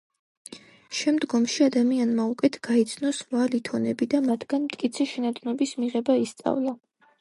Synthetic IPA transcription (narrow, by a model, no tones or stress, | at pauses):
ʃɛmd̪ɡɔmʃiad̪amianmaukʼɛt̪ʰɡ̥ait̪sʰnɔsʁwalit̪ʰɔnɛbid̪amad̪ɡanmt̪ʼkʼit̪sʰɛʃɛnat̪ʼnɔbismiʁɛbaist̪sʼa̰vlˠa